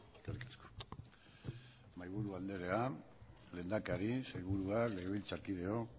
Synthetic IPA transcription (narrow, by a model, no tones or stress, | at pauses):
eskerikasko | majβ̞uɾuand̪e̞ɾe̞a | le̞nd̪akaɾisejβ̞uɾuakle̞ɣeβilt͡sakið̞e̞o̞